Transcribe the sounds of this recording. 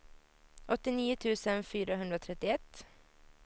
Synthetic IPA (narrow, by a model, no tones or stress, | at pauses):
ʔɔt̪ːɪniːət̪ʰʉːsənfyːɾaɦɵnd̪ɾoːt̪ʰɾɛt̪ːɪɛt̪ː